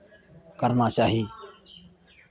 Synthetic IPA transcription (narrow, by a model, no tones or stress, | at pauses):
kəɾnaːt͡ʃaːɦiː